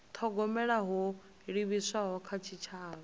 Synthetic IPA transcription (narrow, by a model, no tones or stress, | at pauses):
t̪ʰɔɡɔmɛɺaɦɔ | ɺiβisaɦɔkʰat͡ʃʰit͡ʃʰaːɺɔ